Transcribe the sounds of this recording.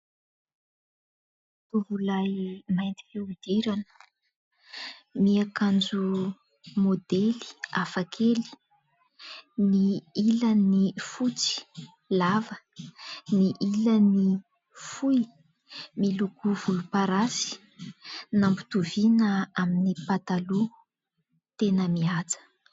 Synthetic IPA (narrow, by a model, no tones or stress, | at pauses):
t̪uvulajmajnt̪i̥kiud̪̥iɾanə̥ | miakand͡zu | mod̪eli̥afakʰeli̥ | niilənifut͡si̥ | lavə | niʔiləni | fui | milukuv̥ulupaɾasi̥ | nambu̥t̪uvinəaminipat̪alu | t̪enəmiat͡sə̥